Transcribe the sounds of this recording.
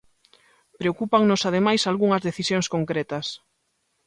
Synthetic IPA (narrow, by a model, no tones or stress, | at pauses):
pɾeokupaŋnosað̞emajsalɣuŋɐzðeθisjõŋskoŋkɾɛt̪ɐs